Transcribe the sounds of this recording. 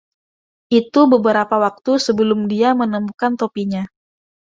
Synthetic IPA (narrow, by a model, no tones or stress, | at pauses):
ʔit̪ubəbəɾapawak̚t̪usəbəlʊmdiamənəmukant̪opiɲa